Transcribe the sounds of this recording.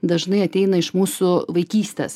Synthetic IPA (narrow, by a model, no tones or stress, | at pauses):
d̪ɐʒnɐɪɐt̪ʲɛɪnɐɪʃmuːsʊʋɐɪkʲiːsʲt̪ʲḛs